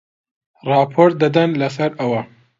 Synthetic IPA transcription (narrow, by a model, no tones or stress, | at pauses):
rɑːpʰoɾt̪̚d̪ɐd̪ɐnlɐsɐɾɐwɐ